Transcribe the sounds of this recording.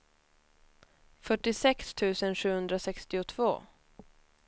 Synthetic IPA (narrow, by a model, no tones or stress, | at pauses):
fœʈːɪsɛkst̪ʰʉ̟ːsənɧʉ̟ːhɵnd̪ɾasɛkst̪ɪʊt̪ʰvo̰ː